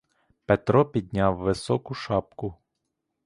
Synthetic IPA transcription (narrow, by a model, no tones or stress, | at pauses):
pet̪ɾɔpʲid̪̚ʲnʲawːɪsɔkʊʃɑpkʊ